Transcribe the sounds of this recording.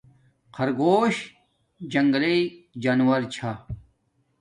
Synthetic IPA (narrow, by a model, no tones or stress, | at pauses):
qʰɐɾɡoːɕ | d͡ʑɐŋɡɐled͡ʑaːnwɐɾt͡ɕʰa